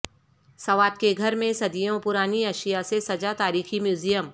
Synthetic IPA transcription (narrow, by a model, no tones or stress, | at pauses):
sɐʋaːd̪̚keɡʱɐɾmẽsɐd̪ijõpʊɾaːniɐʃijasesɐd͡ʒat̪aːɾiːximjuːzijəm